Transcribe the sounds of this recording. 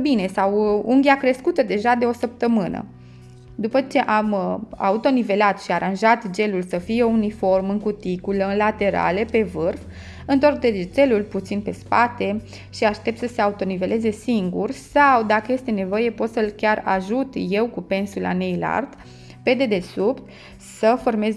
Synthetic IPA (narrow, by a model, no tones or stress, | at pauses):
bine̞sawuŋɡʲiakɾe̞skut̪əd̪e̞ʒad̪e̞o̞səp̚t̪əmɨnə̰ | d̪upət͡ʃe̞ʔama̰ut̪o̞nive̞lat̪ʃiaɾʔanʒat̪d͡ʒe̞lulsəfijeunifo̞rmɨŋkut̪ikuləɨnlat̪e̞ɾa̰le̞pe̞vɨrf | ɨnt̪o̞rk̚d̪ed͡ʒe̞lulput̪sinpe̞spat̪e̞ | ʃiaʃt̪e̞p̚t̪səse̞aut̪o̞nive̞le̞ze̞siŋɡursawd̪akəje̞st̪e̞ne̞vo̞je̞po̞t̪səɨlkʲara̰ʒut̪je̞wkupe̞nsula̰nejla̰rd̪̥ | pe̞d̪e̞d̪e̞supt̪ | səfo̞rme̞z